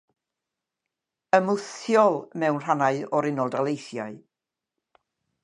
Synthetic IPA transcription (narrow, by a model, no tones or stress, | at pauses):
əmʊθjɔlˠmɛwnr̥anaɨɔɾɪnɔlˠdalˠejθjaɨ